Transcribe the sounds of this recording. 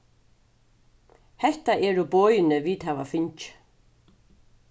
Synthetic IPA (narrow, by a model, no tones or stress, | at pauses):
hɛht̪aʔɛɾubɔːjɪnɪviːt̪havafɪɲt͡ʃ